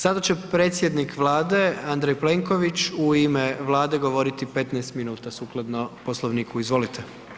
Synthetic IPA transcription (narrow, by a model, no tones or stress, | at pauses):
sad̪at͡ɕe̞pɾe̞ːt̪sjed̪nikʋlˠaːd̪e̞and̪ɾejple̞ŋko̞ʋit͡ɕuimeʋlˠaːd̪e̞ɡo̞ʋo̞ɾit̪ipe̞t̪nɛest̪minuːt̪asuklˠad̪noposlˠoʋniːkʰuizʋo̞lit̪ʰe